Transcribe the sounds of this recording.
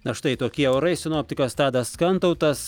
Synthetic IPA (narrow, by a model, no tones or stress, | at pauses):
nɐʃt̪ɐɪt̪oːkʲiɛɐʊɾɐɪsʲɪnoːpʲt̪ʲɪkɐst̪ɑːd̪ɐsskɐnt̪ɐʊt̪ɐs